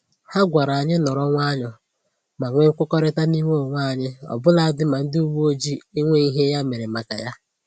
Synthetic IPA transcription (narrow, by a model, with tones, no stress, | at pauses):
ha˦ɡʷa˨ɾa˨a˨ɲɪ˦nɔ˨ɾɔ˦ŋʷa˦ɲɔ˨ | ma˨ŋʷe˦ŋ̩˦kʷʊ˦kɔ˦ɾɪ˦ta˦ni˦ŋe˦ɔ˨ŋʷa˦˨a˨ɲɪ˦ɔ̰˨bʊ˦la˨a˦dɪ˦ma˨n̩˦dɪ˦u˦wu˦o˦d͡ʒi˦e˦ŋʷe˦i˦ɦe˦ja˦me˨ɾe˨ma˨ka̰˨ja˦